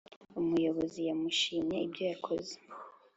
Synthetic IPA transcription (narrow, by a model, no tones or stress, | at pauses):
umujo̞βo̞zijamuʃiːmɲeibɟojakʰoze̥